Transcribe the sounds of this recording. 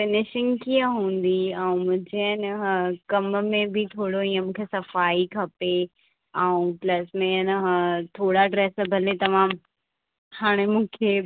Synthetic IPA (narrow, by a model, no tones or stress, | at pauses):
fɪnɪʃɪ̃ŋɡkiaɦũːn̆d̪iɛ̃ũmʊ̃d͡ʑeənɦkɐmmẽbʱit̪ʰoːɽoĩːə̃mũːkʰesɐfaːikʰɐpe | ɛũplɐsmẽnəɦt̪ʰoːɽaɖɾeːsbʱɐlet̪ɐʋãːm | haːɽ̃emũːkʰe